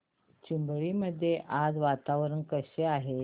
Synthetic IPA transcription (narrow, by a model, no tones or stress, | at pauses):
t͡ɕimbɭiːməd̪ʱːjeʔad͡zʋat̪aʋɾənkəɕeaɦe